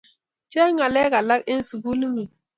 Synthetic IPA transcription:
t͡ʃɛ˦ŋa˨lɛ˦ka˨la˦ke˦n˦su˨ɡu˦li˦ŋi˨

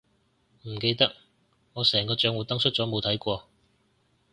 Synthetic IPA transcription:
m̩˨˩ke˧jt̪ɐ˥k̚ | ŋɔː˨˧sɛː˨˩ŋkɔː˧t͡ʃœː˨˥ŋwuː˨˥t̪ɐ˥ŋsɵ˥t̚t͡sɔː˨˥mo˨˧wt̪ʰɐ˨˥jkʷɔː˧

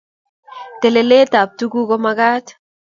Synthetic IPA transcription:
t̪e˨le˨le˦t̪a˨p̚tu˦ɡu˦ko˦ma˦ɡa˦t̪

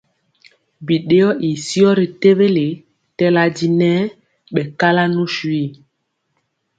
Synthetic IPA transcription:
bi˨ɗe˦ɔ˦ʔi˨si˦ɔ˦ɾi˨te˦βe˦le˨ | tɛ˦la˦di˦nɛ˦ | ɓɛ˨ka˦la˦nu˦ʃwi˦˨

